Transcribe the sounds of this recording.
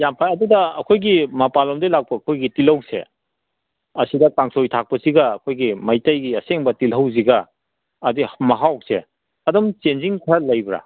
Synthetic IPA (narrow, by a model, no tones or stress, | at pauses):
jampʰajɐdudɐɐkʰojɡimɐpalɔmdejlak̚pɐːkʰojɡitilɐwsḛ | ɐsidɐkaŋsojtʰak̚pɐsiɡɐːkʰojɡimɐjtajɡiɐseŋbɐtilɦɐwziɡɐː | dihmɐɦawk̚sḛ | ɐdɔmt͡ʃenziŋkʰalɐjbɾa̰